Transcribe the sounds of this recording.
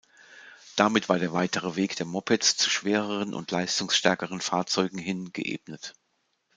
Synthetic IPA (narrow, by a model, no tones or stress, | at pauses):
d̥amɪtv̥aːɐɾeːɐvaɪtʰəʁəveːkd̥eːɐmɔpɛt͡st͡su̥ʃv̥eːʁəʁənʔʊ̰ntʰlaɪstʊŋsʃtɛɐkəʁ̞ənfaːɐt͡sɔʏɡŋ̩ɦɪnɡ̥ə̰ʔḛːbnət